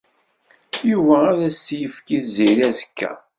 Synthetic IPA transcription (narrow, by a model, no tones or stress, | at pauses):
juvææðæsjəfkiθziɾæzəkːæ̰